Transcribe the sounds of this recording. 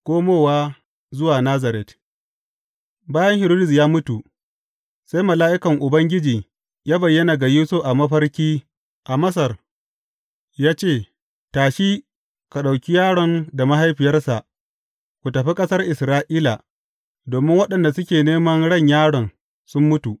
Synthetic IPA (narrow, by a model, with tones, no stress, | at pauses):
kʷoː˦moː˦waː˦ | zʊ˦waː˨naː˦zɐ˨ɾɛ˨t | baː˦jɐ˦ŋhɪ˨ɾoː˦dɪ˨s̬jaː˦mʊ˦tu˨ | sa˦jmɐ˨laː˦ʔɪ˦kɐ˨ŋʔʊ˨bɐ˦ŋɡʲɪ˦d͡ʒiː˨ | jaː˦bɐ˨jːɐ˦na˨ɡa˨juː˦sʊ˦ɸʔa˨mɐ˦ɸɐ˦rkʲiː˦ | ʔa˨mɐ˦s̬ɐ˨r | jaː˦t͡ʃeː˦˨ | taː˨ʃiː˦ | ka˨ɗa˨wkʲi˦jaː˦ɽɔ˨nda˨ma˦ɦa˦jɸɪ˨jɐ˦rsa˨ʔ | kʷu˨tɐ˨ɸi˦kʼɐ˦sɐ˦rʔɪ˨sɾaː˦ʔiː˦la˨ | doː˨mɪ˦ŋwɐ˦ɗɐ˨nda˨sʊ˦kʲeː˨neː˦mɐ˦nɽɐ˦˨ɲjaː˦ɽɔ˨n | sʊ˦mːʊ˦tu˨ʔ